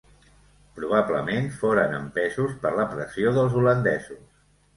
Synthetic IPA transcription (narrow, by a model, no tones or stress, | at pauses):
pɾuβ̞abləmenfoɾənə̰mpɛzuspəɾləpɾəsioðəlˠzulənd̪ɛzus